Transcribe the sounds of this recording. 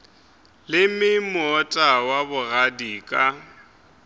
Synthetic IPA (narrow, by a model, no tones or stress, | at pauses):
lɪmɪmɔtʼawabʊɣadiːkʼa